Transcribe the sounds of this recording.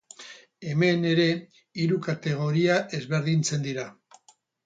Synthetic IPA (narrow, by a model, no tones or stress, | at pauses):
e̞me̞ne̞ɾe̞ | iɾukat̪e̞ɣ̞o̞ɾiaʔe̞zβe̞ɾðint͡se̞nd̪iɾa